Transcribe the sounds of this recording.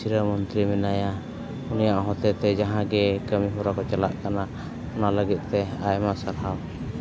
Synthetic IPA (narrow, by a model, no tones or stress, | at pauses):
siɾəmɔnt̪ɾimɛnaja | unijaʔɦɔt̪ɛt̪ɛd͡ʒaɦãɡɛkəmiɦuɾakɔt͡ʃala̰ʔkana | ɔnaləɡit̪̚ˀt̪ɛajmasaɾɦaw